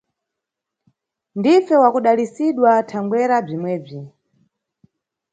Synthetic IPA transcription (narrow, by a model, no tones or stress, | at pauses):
ndifɛwakuɗalisiɗwatʰaŋɡwɛɾab͡ʐimwɛːb͡ʐi